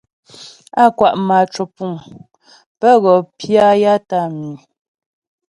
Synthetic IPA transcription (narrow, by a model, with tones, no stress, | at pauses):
a˦kwa˨ʔma˨t͡ʃo˨pu˨m | pə˦ɣɔ˨pja˦ja˦ta˦mi˨